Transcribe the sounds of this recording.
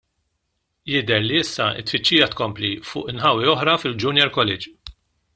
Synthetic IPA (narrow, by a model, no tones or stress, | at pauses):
jɪd̪ɛɾliɪsːɐɪ̰t̪ːfɪt͡ʃːiːjɐt̪kɔmplifʊ̰ːʔɪnħɐwːiɔħɾɐfɪld͡ʒʊnjɛɾkɔlɛd͡ʒ